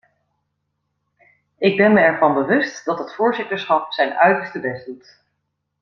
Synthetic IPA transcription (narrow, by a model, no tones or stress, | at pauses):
ɪɡ̚bɛnməɛɹvɑnbəʋɵstd̥ɑtɦətfʊːɹzɪtəɹsχɑp̚sɛjnœɥtəɹstəbɛsdut